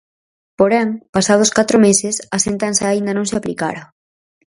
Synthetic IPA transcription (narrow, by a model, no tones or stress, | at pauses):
poɾɛŋpasað̞ʊskat̪ɾomesɪsɐsent̪ansɐːind̪ɐnõŋsɪaplika̰ɾɐ